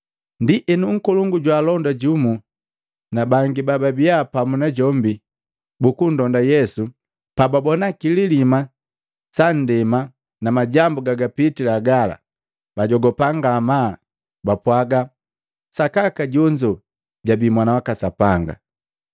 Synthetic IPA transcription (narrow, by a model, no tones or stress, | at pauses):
ndiʔɛnuŋ̩kɔluŋɡuɟwaːlɔndaɟumu | nabaŋɡibababiapamunaɟɔmbi | bukun̩dɔndajɛsu | pababɔnakililima | san̩dɛma | namaɟambuɡaɡapitilaɡala̰ | baɟɔɡɔpaŋɡaːmaː | bapwaɡa | sakakaɟɔɲd͡ʒɔ | ɟabimwanawakasapaŋɡa̰